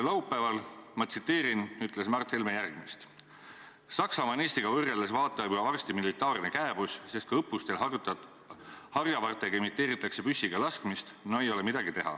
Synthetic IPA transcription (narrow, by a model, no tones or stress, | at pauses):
lɑwpːæːvɑlmɑt̪sit̪ːˑe̞ːɾinyt̪ːˑle̞smɑrt̪he̞lmejærɡ̥mist̪ | sɑksɑmɑneːst̪iɡ̥ɑvɤrːeld̪esvɑːt̪ːˑɑyɑvɑrst̪imilit̪ːˑɑːrnekæeb̥usse̞st̪̚kɑɤpːˑust̪e̞l | hɑrjɑvɑrt̪ːˑeɡɑimit̪ːˑe̞ːɾit̪ːˑɑkse̞pysːiɡ̥ɑlɑskmist̪noejo̞lemid̪ɑɡit̪e̞ɦɑ̰